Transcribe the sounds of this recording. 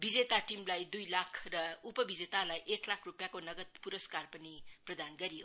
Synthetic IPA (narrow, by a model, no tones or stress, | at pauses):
bid͡ʒetatimlajdujlakʰɾɐupɐbid͡ʒetalajʔeklakʰɾupjakonɐɡɐt̪̚puɾɐskaɾpɐnipɾɐdanɡɐɾio